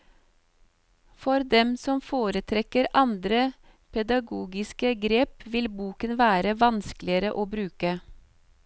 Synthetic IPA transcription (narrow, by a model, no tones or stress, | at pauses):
fɔɾd̪ɛmsɔmfoːɾət̪ʰɾɛkəɾɑnd̪ɾə | pʰɛd̪ɑɡuːɡɪskəɡɾeːpʋɪlbuːkənʋæːɾəʋɑnsklɪəɾəʔoːbɾʉːkə